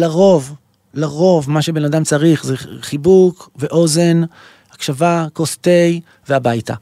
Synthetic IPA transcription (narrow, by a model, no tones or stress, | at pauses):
laʁo̞v | laʁo̞vmaʃe̞be̞nadamt͡saʁiχzeχibukveʔo̞ze̞n | akʃavakoste̞j | veabajta̰